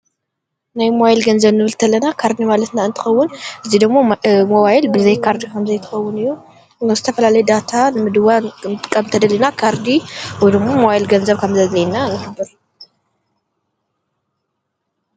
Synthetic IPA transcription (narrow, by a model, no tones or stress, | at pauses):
najmajlɡɐnzɐβnɨβɨlt̪ʰɐlːɐnakʰaɾd̪imalɐt̪naɨnt̪ʰɨ̥xɐwːʊnʔɨzid̪ɨɡmːomoβajlbɨzɐjkʰaɾd̪ikʰɐmzɐjt̪ʰɨ̥xɐwːʊnɨjːu | nɨzɨt̪ʰɐfɐlalɐjɛd̪at̪ʰanɨmɨd̪ɨwankʰʼːɐmt̪ʰɐd̪ɐlːinakʰaɾd̪iwɔjd̪ɨɡmːomowajlɡɐnzɐβkʰɐmzɐzlejnanɨhɨbːɨɾ